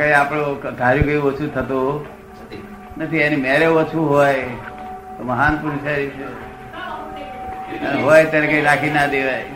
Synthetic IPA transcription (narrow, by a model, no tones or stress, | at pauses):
kaiapɽod̪ʱaɾjũkəjot͡ʃʰut̪ʰət̪o | nət̪ʰienimɛɾeot͡ʃʰuɦoj | t̪oməɦanpuɾit͡ʃaɾit͡ʃʰe | ɦojt̪anekaiɾakʰinad̪eʋaj